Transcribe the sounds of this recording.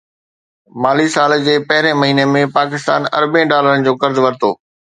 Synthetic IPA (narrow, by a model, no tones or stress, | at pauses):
maːlisaːld͡ʑeːpɐɦɪɾẽmɐɦiːnemẽpaːkɪst̪aːnɐ̰ɾbẽɖaːləɾənɪ̆d͡ʑoːkɐɾzʋɐɾt̪o̰ː